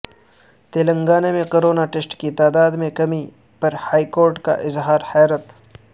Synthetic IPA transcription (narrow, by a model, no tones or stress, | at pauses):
t̪eːlə̃ŋɡaːnemẽkoːɾoːnaʈesʈkit̪aːd̪aːd̪mẽkɐmi | pɐɾhaːikoːɾʈka̰ʔɪzɦaːɾhɛːɾət̪